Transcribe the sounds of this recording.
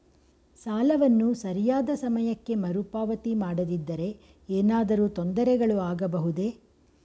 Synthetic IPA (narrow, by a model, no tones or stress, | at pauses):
saːlɐʋɐnːusɐɾijaːd̪ɐsɐmɐjɐkːe̞mɐɾupaːʋɐt̪imaːɽɐd̪id̪ːɐɾe̞ | eːnaːd̪ɐɾuːt̪ond̪ɐɾɛɡɐɭuaːɡɐbɐɦud̪e̞